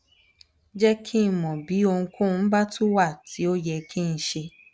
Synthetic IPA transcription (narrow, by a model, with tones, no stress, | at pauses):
d͡ʒɛ˦kʰi˦˨mɔ̃˨bi˨˦o˧ŋ̩̃˧kʰõ˦˧n̩˦ba˦to˦wa˦˨ti˨˦o˦jɛ˧kʰĩ˦˧n̩˧˦ʃe˧